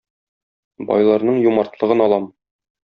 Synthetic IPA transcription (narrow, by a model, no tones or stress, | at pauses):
bɒ̰jlˠɑɾnɤɴjumɑɾt̪lˠɤ̆ʁɤnɒlˠɑm